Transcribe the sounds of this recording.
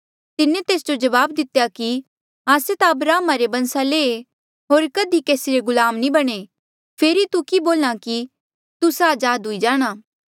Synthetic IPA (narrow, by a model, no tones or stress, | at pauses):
t̪ɪnːẽt̪eːsd͡ʒod͡ʒɐʋaːbd̪ɪt̪jaki | ɦaːset̪aɐbɾaːmaɾebɐ̃nsaleːe | ɦoːɾkɐd̪ʱikeːsiɾeɡʊlaːmnibɐɽ̃e | pʰeːɾit̪ukiboːlɽ̃aki | t̪usaːd͡ʒaːd̪ɦʊid͡ʒaːɽ̃aː